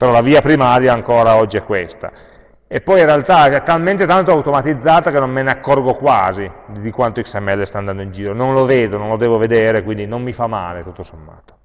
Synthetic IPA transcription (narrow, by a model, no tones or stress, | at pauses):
peɾɔlaviːapɾimaːɾjaːŋkoːɾaɔd͡ʒːiɛkːwest̪a̰ | epːɔjinrealt̪aɛt̪ːalment̪et̪ant̪oawt̪omat̪id̪zːaːt̪akenːommeneakːɔrɡokwaːzid̪d̪ikwant̪oiksɛmːɛlːest̪aːnd̪and̪oind͡ʒiːɾononloveːd̪onõnlod̪ɛːvoved̪eːɾekwind̪inomːifamːa̰ːlet̪ut̪ːosomːa̰ːt̪o̥